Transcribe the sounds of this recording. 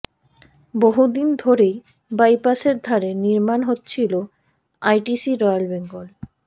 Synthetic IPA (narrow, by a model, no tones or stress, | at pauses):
boɦud̪ind̪ʱoɾej | bajpaseɾd̪ʱaɾeniɾmanɦotːt͡ɕʰilo | ajʈisiɾɔjalbeŋɡol